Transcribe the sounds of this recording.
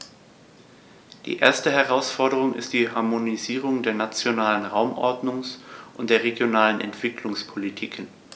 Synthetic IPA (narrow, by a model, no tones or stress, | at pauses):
d̥ḭːʔḛːɐstəɦɛʁaʊsfɔɐdəʁ̞ʊŋɪ̰std̥iːhaɐmoniziːʁ̞ʊŋdeːɐnat͡sjonaːlənʁaʊmʔɔ̰ɐdnʊŋsʔʊntd̥eːɐʁeɡjonaːlənʔɛ̰ntv̥ɪkʰlʊŋspʰolitʰiːkʰən